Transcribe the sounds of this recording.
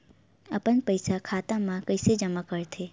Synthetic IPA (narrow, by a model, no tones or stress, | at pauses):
əpənpəjsakʰat̪amãkəjsed͡ʒəmakəɾt̪ʰe